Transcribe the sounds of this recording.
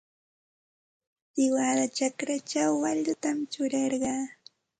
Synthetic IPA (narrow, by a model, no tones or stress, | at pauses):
sɪwad̪at͡ʃakɾat͡ʃawːaʎʊt̪amt͡ʃʊɾɑɾɢɑː